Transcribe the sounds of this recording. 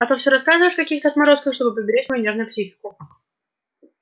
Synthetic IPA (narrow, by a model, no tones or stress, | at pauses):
ɐt̪ofsʲɾɐskazɨvəɪʂkɐkʲixt̪əɐt̪mɐɾo̞skəxʂt̪o̞bɨpɾəbʲɪɾʲætʲmɐjunʲe̞ʐnʊjʊpsʲixʲɪ̥kʊ